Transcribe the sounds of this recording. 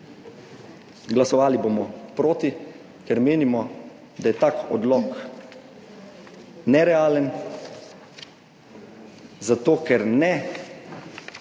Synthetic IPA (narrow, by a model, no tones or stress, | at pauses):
ɡlasɔʋaːliboːmɔpɾoːt̪i | kɛɾmeːnimɔ | d̪ajɛt̪aːkɔ̰d̪lɔk | nɛɾɛaːlən | zat̪oːkɛɾnɛ